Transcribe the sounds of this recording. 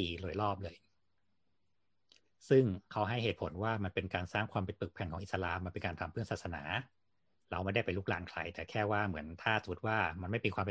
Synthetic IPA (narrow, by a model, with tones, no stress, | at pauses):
iː˧lu˨˧˩jlɔː˥˩p̚lɤː˧j | sɯ˥˩ŋkʰa˦˥wɦa˥˩jheː˨˩t̪̚pʰo˩˦nwaː˥˩ma˧npe˧nkaː˧nsaː˥˩ŋkʰwaː˧mpe˧npɯ˨˩k̚pʰɛ˧nŋʰkɔː˩˦ŋʔ̪sa˧laː˧ma˧npe˧nkaː˧nt̪ʰa˧mpʰɯ˥˩ənsaː˨˩t̪̚sa˧na̰ː˩˦ | ɾa˧wma˥˩da˥˩jpa˧jluː˥˩k̚la̰ː˨˩nkʰla̰˧jt̪ɛː˨˩kʰɛː˥˩waː˥˩mɯ˩˦ənt̪ʰaː˥˩sa˨˦mu˦˩t̪̚waː˥˩ma˧nma˥˩jpiː˧kʰwaː˧mpe˧